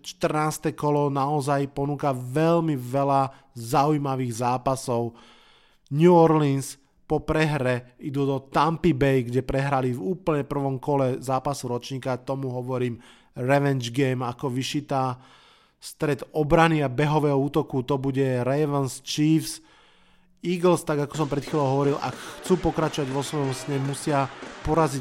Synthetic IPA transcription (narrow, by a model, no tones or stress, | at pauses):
t͡ʃt̪r̩naːst̪ɛkɔlɔnaɔzajpɔnuːkaʋɛlmiʋɛla | zaujmaʋiːɣzaːpasɔʊ | ɲuɔɾlins | pɔpɾɛɦɾɛid̪uːd̪ɔt̪ampibɛjɡɟɛpɾɛɦɾalivuːpl̩ɲɛpr̩ʋɔmkɔlɛzaːpasuɾɔt͡ʃɲiːkat̪ɔmuɦɔʋɔɾiːm | ɾɛʋɛnd͡ʒɡɛjmakɔʋiʃit̪aː | st̪ɾɛd̪ɔbɾaniabɛɦɔʋɛːɦɔuːt̪ɔkut̪ɔbuɟɛɾɛʋanst͡ʃiːfs | iːɡl̩st̪aɡakɔ̥s̬ɔmpɾɛt̪xiːlɔʊɦɔʋɔɾilʔa̰kxt͡suːpɔkɾat͡ʃɔʋaɟʋɔsʋɔjɔmsɲɛmusɪapɔɾazi